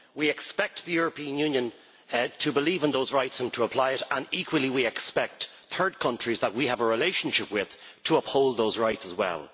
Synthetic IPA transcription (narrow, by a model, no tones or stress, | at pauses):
wiɛkspɛk̚t̪̚ðəjʊɹəpĩə̃njʉ̃njə̃n | tʰəbəliːvə̃nðoʊzɹaɪtsə̃ntʰəəpʰl̥aɪɪɾə̃nikʰwəlˠiwiɛkspɛk̚t̪ | θʰɜ˞d̚kʰʌ̃nt͡ʃɹ̥izðət̚wiəvəɹɪleɪʃə̃nʃɪpwɪð̥ | tʰəʌphoʊlˠd̪̚ðoʊzɹaɪtsəzwɛ̰lˠ